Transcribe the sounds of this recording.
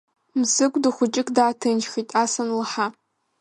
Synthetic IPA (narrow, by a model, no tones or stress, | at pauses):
mzɨkʷʼdɨχʷʊt͡ʃʼɪkʰʼdaːtʰɨnʒxitʼaːsɐnlɨħa